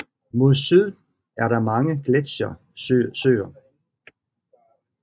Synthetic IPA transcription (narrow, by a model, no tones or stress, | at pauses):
mo̝ðˠsyð̰ˠdn̩ | æɐɾɑ̈mɑ̈ŋəɡ̥led̥ɕɐ | sø̰ːɐ